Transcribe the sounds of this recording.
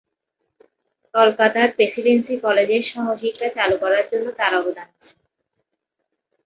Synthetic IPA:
kɔlkat̪aɾpɾesilensikɔled͡ʑeɾʃɔɦoʃikʈat͡ɕalukɔɾaɾd͡ʑonːot̪aɾɔbod̪ʱanat͡ɕʰe̥

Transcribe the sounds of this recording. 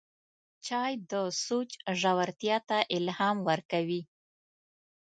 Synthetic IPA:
t͡ʃɑjd̪əsot͡ʃʒawaɾt̪jɑt̪aʔɪlhɑmwəɾkawi

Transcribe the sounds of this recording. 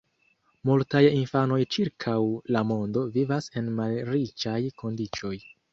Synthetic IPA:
multajinfano̞jt͡ʃiɾkʰawlamo̞ndo̞vivase̞nmalɾit͡ʃajko̞ndit͡ʃo̞j

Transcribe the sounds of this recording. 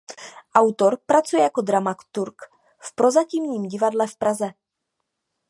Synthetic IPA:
ʔawt̪o̞ɾpɾat͡sujɛjako̞d̪ɾamakt̪uɾk | fpɾo̞zacimɲiːmɟɪvadlɛfpɾazɛ

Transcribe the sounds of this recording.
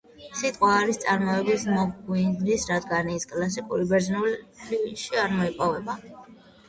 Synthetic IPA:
sit̪ʼqʼwaːɾist̪sʼaɾmɔɛbismɔɡɡwind̪ɾisɾad̪ɡaniːskʼlas̬ikʼuɾibɛɾznuliʃiaɾmɔipʼɔvɛba

